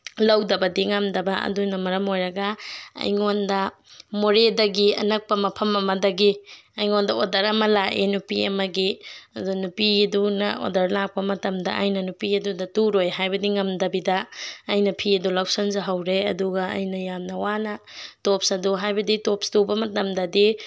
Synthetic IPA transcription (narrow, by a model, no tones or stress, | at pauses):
lɐwdɐbɐdiŋɐmdɐbɐɐ̰dunɐmɐɾɐmojɾɐɡɐɐ̰jŋondɐ | moɾedɐɡiɐ̰nɐk̚pɐmɐpʰɐmɐmɐdɐɡiɐjŋondɐodɐɾɐmɐlaʔenupiɐ̰mɐɡiɐdunupiɐdunɐ̰o̰dɐɾlak̚pɐmɐtɐmdɐ̰ʔɐjnɐnupiɐdudɐtuɾojɦajbɐdiŋɐmdɐbidɐːjnɐpʰiɐdulawsɐnzɐɦɐwɾeɐ̰duɡɐɐ̰jnɐjamnɐwanɐtop̚sɐduɦajbɐditopstobɐmɐtɐmdɐdi